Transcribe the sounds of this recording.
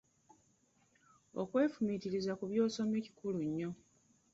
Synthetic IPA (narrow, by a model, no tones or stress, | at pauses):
o̰kwe̞ːfumitiɾizakuβjo̞ːso̞meci̥kuluɲːo̞